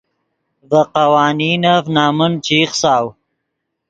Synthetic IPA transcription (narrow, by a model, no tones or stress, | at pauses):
vəqawaːniːnafnaːmənt͡ʃiːχsaːw